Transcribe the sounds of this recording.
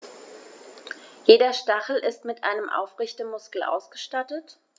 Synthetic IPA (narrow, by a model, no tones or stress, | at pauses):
jeːdɐʃtaχl̩ʔɪstmɪtʔa̰ɪnəmʔa̰ʊfʁɪçtəmʊskl̩ʔa̰ʊsɡ̥əʃtatət